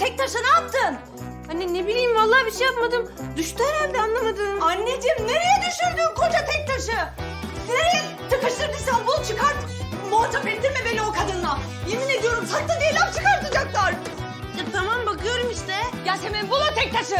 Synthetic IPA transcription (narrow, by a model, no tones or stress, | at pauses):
t̪ʰɛc̚t̪ʰaʃɯnɯap̚t̪ʰɯn | haninebilʲijːmvalˠːaːbiʃejːap̚mad̪ɯmd̪yʃt̪ɛɾaɾd̪anlˠamad̪ɯanːed̪mne̞ɾejɛd̪yʃyɾd̪ymkʰot͡ʃat̪ʰɛc̚t̪ʰaʃɯ | neɾejɛ | t̪ʰɯkaʃt̪ɯɾb̪isanbulˠt͡ʃʰɯkaɾt̪ | moat̪ʰapelʲt̪iɾmɛbelʲiokʰad̪ɯnːˠa | jimined̪ijo̞ɾumsʰak̚t̪ad̪ijelʲapt͡ʃʰɯkaɾt̪ʰɯd͡ʒaklˠaɾ | jat̪ʰamambakɯjo̞ɾumiʃt̪ʰɛɟalsemɛnbulˠat̪ʰɛc̚t̪ʰaʃɯ